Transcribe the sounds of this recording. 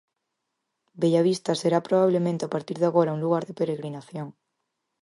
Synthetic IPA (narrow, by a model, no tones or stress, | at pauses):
beʝaβ̞ist̪aseɾapɾoβaβ̞lemẽnt̪eapaɾt̪iɾðaɣoɾaũŋluɣaɾðepeɾeɣɾinaθjoŋ